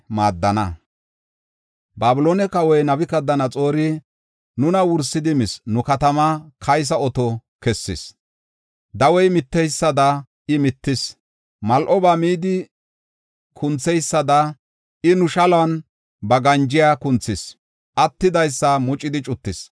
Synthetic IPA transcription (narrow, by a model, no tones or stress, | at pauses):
maːd̪ːɐnɐ | baːbʊloːnɛkɐwɔjnɐbɪkɐd̪ːɐnɐt͡sʼo̞ːɾɪ | nʊnɐwʊɾsːɪd̪ɪmɪsnʊkɐt̪ɐmɐkʰɐjs̬ɐɔt̪ɔkɛsːɪs | d̪ɐwɔjmɪt̪ːɛjsːɐd̪ɐ | ɪmɪt̪ːɪs | mɐlʔɔbaːmiːd̪ɪ | kʰʊnt͡sːɛjsːɐd̪ɐ | ʔɪnʊʃɐlɐn | bɐɡɐnd͡ʒɪjaːkʊnt͡sːɪs | ʔɐt̪ːɪd̪ɐjsːɐmʊt͡ʃʼːɪd̪ɪt͡ʃʼʊt̪ːɪs